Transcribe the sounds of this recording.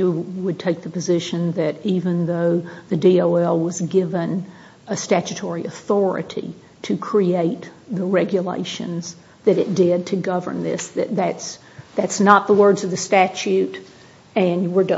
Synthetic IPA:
ɨwəd̚tʰeɪk̚ðɨpɨzɪʃɨ̃nðɨɾivɨ̃nðoʊðɨdioʊɛlˠwʌzɡɪvɨ̃n | ɨstæt͡ʃɨtʰɔɹiʔɨθɔɹɨ̰ɾḭ | ɾʰɨkʰɹ̥ieɪt̪̚ðəɹɛɡjɨlḛɪʃɨ̰̃nz̥ | ðɨɾɨt̚d̥ɪd̚tʰɨɡʌvə̰˞nðɪ̰sðɨt̪̚ðæts | ðætsnət̪̚ðəwɜ˞dzʌvðɨstæt͡ʃʉɾ | ɨ̃nwə˞d

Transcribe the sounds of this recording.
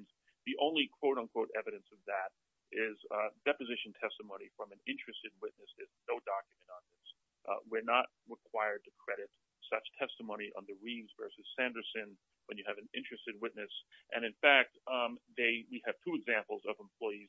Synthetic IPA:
ðiʔõ̰ʊ̃nlikʰw̥oʊɾn̩kʰw̥oʊɾɛvɨɾɨ̃nsʌvðɨɾ | ʔɪzdɛpɨzɪʃn̩tʰɛstəmõʊ̃nifɹʌ̃mɨ̃nɪ̃nt͡ʃɹ̥ɨstɨd̚wɪʔⁿnɨsɨznoʊdɑkjɨmɨ̃ñtn̩ðɪs | wɪɹnət̚ɹəkʰw̥aɪə˞d̚tʰɨkʰɹ̥ɛɾɨt̚ | sʌt͡ʃtʰɛstəmõʊ̃ñiʔə̰̃nðɨɹivzvɜ˞sɨz̥sæ̃ndə˞sɨ̃n | wə̃njɨːvɨ̃nɪ̃nt͡ʃɹ̥ɨstɨd̚wɪtⁿnɨsʔɨ̃ñɨ̃nfæk̚t̪̚ðeɪwiɨv̥tʰʉɨɡzæ̃mpl̩ˠzʌvə̃m̩pʰl̥ɔɪiz̥

